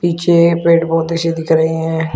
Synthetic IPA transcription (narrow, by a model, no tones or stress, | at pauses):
piːt͡ʃʰeːpeːʈbɔːt̪əʃed̪iːkəɾəiɛ̃ː